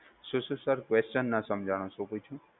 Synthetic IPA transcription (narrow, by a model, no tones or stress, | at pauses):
sususəɾkʋest͡ʃənːasəmd͡ʒʱaɽ̃õsũkujt͡ʃʰũ